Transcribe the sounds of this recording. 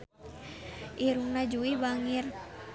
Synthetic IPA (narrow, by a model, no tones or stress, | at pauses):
ʔiɾuŋnad͡ʒuibaŋir